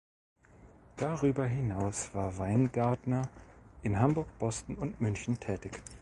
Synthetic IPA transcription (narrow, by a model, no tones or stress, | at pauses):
d̥aʁyːbɐɦɪnaʊsv̥aːɐvaɪnɡaɐdnɐʔɪnɦambʊɐkb̥ɔstn̩ʊntmʏnçn̩tʰɛːtɪç